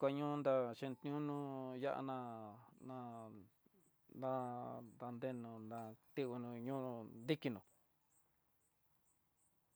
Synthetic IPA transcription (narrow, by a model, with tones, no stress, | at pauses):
kʷa˧ɲũ˦˧nd̪a˧ʃĩ˧n˧t̪ɲũ˦nũ˦ja̰˦ʔa̰˧nã˧nã˧ | d̪ã˦d̪a˧nd̪e˧nũ˧nd̪ã˧t̪i˦u˧nũ˧ɲũ˦d̪i˦ki˧nũ˧˨